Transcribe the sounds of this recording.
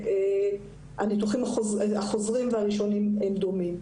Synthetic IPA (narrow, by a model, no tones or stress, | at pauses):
e | anit̪uχimaχozaχo̞zʁimveaʁiʃo̞nimemd̪o̞mim